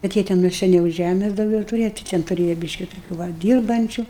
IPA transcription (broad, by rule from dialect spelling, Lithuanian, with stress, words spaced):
kɐt ˈjiɛ tʲɛ nʊ sʲɛˈnʲɛʊ ˈʒʲæmʲɛs dɐʊˈɡʲɛʊ tʊˈrʲeːjɛ tɐɪ ˈtʲɛn tʊˈrʲeːjɛ ˈbʲiːʃʲkʲɪ toːˈkʲuː ˈʋɐ ˈdʲiːrbɐnʲt͡ʃʲʊ